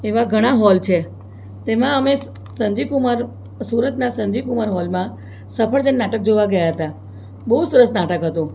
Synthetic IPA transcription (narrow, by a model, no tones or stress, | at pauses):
eʋaɡʱəɽ̃aɦɔlt͡ʃʰe | t̪emãəme | səɲd͡ʒikumaɾ | suɾət̪nasəɲd͡ʒikumaɾɦɔlmã | səpʰəɭd͡ʒənːaʈək̚d͡ʒoʋaɡəjaɦət̪a | bəɦusəɾəsnaʈəkɦət̪ũ